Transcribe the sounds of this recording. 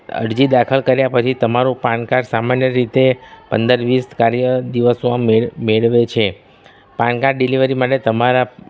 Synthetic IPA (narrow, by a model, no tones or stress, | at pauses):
ə̰ɽd͡ʒid̪akʰəlkəɾjapət͡ʃʰit̪əmaɾũpãɳkaɾsamanjəɾit̪epə̰nd̪əɾʋiskaɾjəd̪iʋəsoãmemeɭʋet͡ʃʰe | pãɳkaɾɖiliʋəɾimaʈet̪əmaɾa